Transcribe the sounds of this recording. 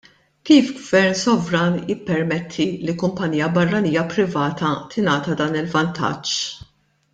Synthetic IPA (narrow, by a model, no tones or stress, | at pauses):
kiːfɡvɛɾnsɔvɾɐːnjɪpːɛɾmɛt̪ʰːilikʊmpɐniːjɐbɐrːɐniːjɐpɾɪvɐːt̪ɐt̪ʰɪnɐːt̪ɐd̪ɐːnɪlvɐnt̪ʰɐ̰t͡ʃː